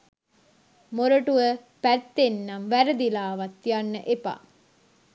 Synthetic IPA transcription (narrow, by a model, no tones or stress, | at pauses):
moɾəʈuʋəpæt̪ːenːamʋæɾəd̪ilaːʋɐt̪ːijanːə̰ʔepa̰